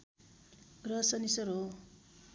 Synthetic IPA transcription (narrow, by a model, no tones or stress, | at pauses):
rʌsʌnisʌɾo